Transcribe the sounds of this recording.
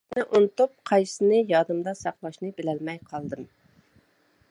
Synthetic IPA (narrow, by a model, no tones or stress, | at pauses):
nɨʔunt̪ʊp̚qʰɑjsɨnɨjɑd̪ɨmd̪ɑsɑqlˠɑʃnɨbɪlɛlmɛjqʰɑlˠd̪ɨm